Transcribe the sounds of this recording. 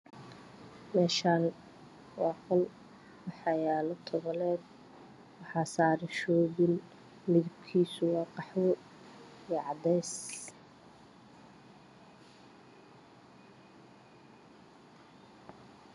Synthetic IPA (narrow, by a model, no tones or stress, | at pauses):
mɛːʃaːn | wɑːqɔl | wɑħɑjaːlɔt̪ʰɔβɐlɛːd̪ | wɑħɑːsaːɾɪʃɔːβɪl | mɪðɪb̚kʰiːsʊwɑːqɑħwɔ | ijɛʕɑd̪ɛjs